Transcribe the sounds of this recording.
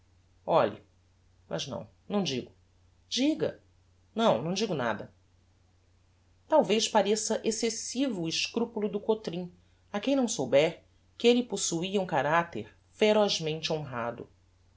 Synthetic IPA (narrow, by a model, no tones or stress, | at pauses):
ɔlʎḭ | mɐ̰znɐ̰̃w̃nɐ̃w̃d͡ʒiɡʊ | d͡ʒiɡɐ̰ | nɐ̃w̃nɐ̃w̃d͡ʒiɡʊna̰d̪ɐ | t̪awvejʃpaɾesɐʔesesivʊːɪʃkɾupulʊd̪ʊkot̪ɾĩ | ɐkẽj̃nɐ̃w̃sowbɛɾ | kɪelɪposuiɐũkaɾat̪eɾ | feɾɔzmẽnt͡ʃɪõɦad̪ʊ̰